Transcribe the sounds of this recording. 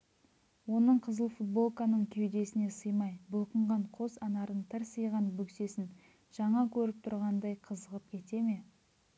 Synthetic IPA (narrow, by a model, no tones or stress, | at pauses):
wo̞nəɴqʰəzəlˠfut̪̚bo̞lˠkanəɴkʲʰe̞wd̪e̞sɪne̞səjmɑjbʊlˠqəɴʁɑɴqʰo̞zɑnɑɾəɴt̪ʰɪɾsəjʁɑnbɵkse̞sɪn | ʒ̥ɑɴɑkʲʰɵɾɪp̚t̪ʰʊɾʁɑnd̪ɑjqʰəzəʁəp̚kʲʰe̞t̪e̞me̞